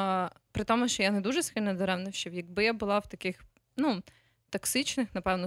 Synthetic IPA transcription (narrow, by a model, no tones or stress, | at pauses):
pɾɪt̪ɔmʊst͡ʃɔjanɛd̪uʒɛskɪlʲnɔd̪ɔɾɛmnɪwʃt͡ʃɛwjɐɡ̚bɪjabʊlˠɑwt̪ɐkɪx | nu | t̪ɐksɪt͡ʃnɪxnɐpɛwnɔ